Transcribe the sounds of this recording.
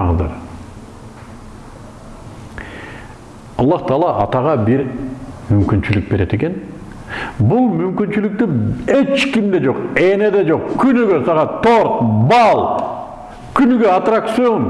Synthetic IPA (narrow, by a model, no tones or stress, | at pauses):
ŋəzd̪ɑ̰ɾ | ɑlˠːɑht̪ʰɑːlˠɑʔɑt̪ɑʁɑbiɾmymkynt͡ʃylyk̚beɾe̞t̪e̞ke̞n | bulˠmymkynt͡ʃylyk̚t̪ye̞t͡ʃkimd̪e̞d͡ʒo̞qe̞ne̞d̪e̞d͡ʒo̞qkʰynyɡøsɑʁɑt̪ʰoɾt̪bɑlˠ | kynyɡøat̪rakt̪sɨon